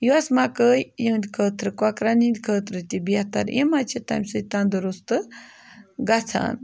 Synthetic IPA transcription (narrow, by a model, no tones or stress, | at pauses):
juwasmakəːjjənʲkʰəːt̪ʰɾɨkwakɾaninʲkʰəːt̪ɾɨt̪ibʲaht̪a̰ɾḛmat͡ʃʰet̪a̰mʲsɨt̪and̪ɨɾost̪ɨ | ɡat͡sʰa̰ːn